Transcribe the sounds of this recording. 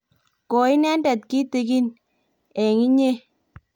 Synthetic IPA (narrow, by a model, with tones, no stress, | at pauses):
kɔ˨i˦nɛ˦nda˨t̚ki˦te˨ki˦n | ɛ˨ŋi˦ɲe˦